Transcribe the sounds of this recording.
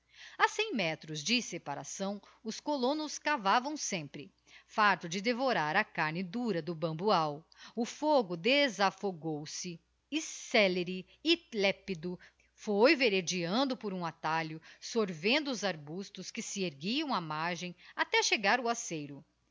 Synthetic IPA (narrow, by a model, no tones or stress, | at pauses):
asẽj̃mɛt̪ɾʊzd͡ʒɪsepaɾa̰sɐ̃w̃ | ʊskolõnʊskavavɐ̃w̃sẽmpɾɪ | faɾt̪ʊd͡ʒɪd̪evoɾaɾɐkaɾnɪd̪uɾɐd̪ʊbɐ̃mbuaw | ʊfoɡʊd̪ezafoɡowsɪ | isɛleɾɪ | ilɛpid̪ʊ | fojveɾed͡ʒiɐ̃nd̪ʊpoɾũat̪aʎʊsoɾvẽnd̪ʊːzaɾbust̪ʊskɪsɪeɾɡiɐ̃w̃ɐmaɾʒẽj̃at̪ɛʃeɡaɾʊasejɾʊ